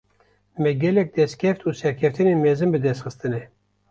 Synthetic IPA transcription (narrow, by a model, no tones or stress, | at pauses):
mɛɡʲɛlɛk̚d̪ɛst̪̚kʲʰɛft̪uːsɛɾkʲʰɛft̪ʰɨneːmɛzɨnbɨd̪ɛst̪xɨst̪ɨnɛ